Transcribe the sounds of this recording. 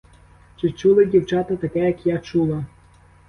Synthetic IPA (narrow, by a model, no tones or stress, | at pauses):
t͡ʃɪt͡ʃulˠɪdʲiwt͡ʃɑt̪ɐt̪ɐkɛjɐkjat͡ʃulˠɐ